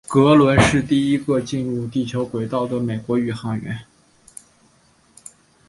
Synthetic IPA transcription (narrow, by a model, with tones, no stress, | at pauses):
kɤ˧˥lwə˧˥nʂɻ̩˥˧t̪i˥˩i˥ɡə˧t͡ɕi˥˧nɻu˥˧t̪i˥˩t͡ɕʰjo˧˥ʊkwe˨˩ɪt̪ɑ˥˩ʊd̪ə˩me˨˩ɪkwɔ˧˥y˨˩xɑ˧˥ŋɥɛ̰˧˥n